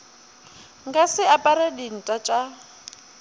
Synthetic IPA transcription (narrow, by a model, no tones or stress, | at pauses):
ŋɡasɪapʼaɾadin̩tʼat͡ʃʼa